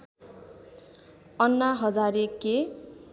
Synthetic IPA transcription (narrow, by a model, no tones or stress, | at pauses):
ʌnːaɦʌd͡zaɾekːe